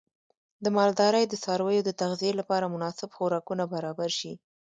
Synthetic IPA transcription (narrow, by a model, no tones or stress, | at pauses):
d̪əmɑld̪ɑɾəjd̪əsɑɾwəjod̪ət̪aɣzijelapɑɾamʊnɑsɪbxoɾɑkunabaɾɑbaɾʃi